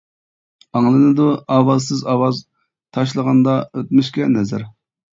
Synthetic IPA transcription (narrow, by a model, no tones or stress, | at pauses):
ɑŋlˠɨnɨd̪uɑwɑzsɨzɑwɑz | t̪ʰɑʃ̬lˠəʁɑnd̪ɑøt̪̚myʃkʲɛnɛzæɾ